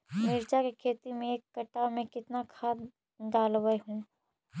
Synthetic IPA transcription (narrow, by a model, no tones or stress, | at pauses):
mɪɾt͡ʃakekʰeːt̪imẽeːkːɐʈːamẽkɪt̪nakʰaːd̪ | d̪aːlwəeɦũː